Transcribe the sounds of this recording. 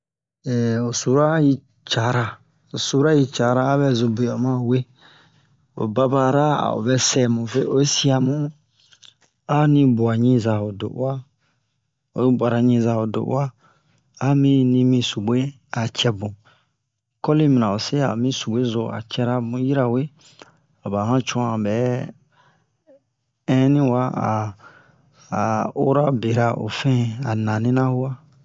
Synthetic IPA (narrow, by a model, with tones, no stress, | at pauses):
ɛ˨o˨su˨˦ɾa˦ji˧ | t͡ʃa˨˦ɾa˨ | o˨su˨˦a˦ji˦t͡ʃa˨˦ɾaː˦βɛ˦˨zʊ˧bʊ˨ɔ˨mã˦˨we˦ | o̰˨ba˦ba˨ɾa˦a̰˨o̰˨bɛ˦sɛ˨mʊ̃˨ve˦o˨˦si˦a˨mʊ̃˦ | a˦nĩ˦bʊ˨a˨ɲĩ˦za˨o˨dʊ̰˨ʔa˦ | o˨˦ba˨ɾa˨ɲĩ˦za˨wo˨dʊ̰˨ʔa˦ | a˦mĩ˦nĩ˧mĩ˧su˨bwe˦ | a˨t͡ʃɛ˧bũ˨ | kɔ˦li˦mĩ˨nã˨o˨se˦a̰˨mĩ˦su˨be˦zo˧a̰˨t͡ʃɛ˧ɾa˧bũ˨ji˦ɾa˧we˦ | a˨ba˨hã˦t͡ʃũ˧˦˨a˨bɛ˨˦ | ɛ̃˦nĩ˦wa˦a̰˨ | o˦ɾa˦be˨ɾa˧ʔo̰˨fɛ̃˦˨a˨nã˨nĩ˦nã˦hu˦wa˦